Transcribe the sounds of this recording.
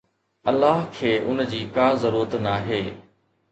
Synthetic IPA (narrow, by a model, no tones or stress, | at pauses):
ɐlːaːɦkʰeːʔʊnd͡ʑiːkaːzɐɾuːɾət̪naːɦeː